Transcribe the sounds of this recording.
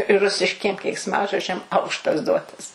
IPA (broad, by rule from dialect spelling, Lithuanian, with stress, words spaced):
ˈrʊsʲɪʃʲkʲiɛm kʲɛɪksˈmɑːʒoːd͡ʒʲɛm ˈɐʊkʃtɐs ˈduɔtɐs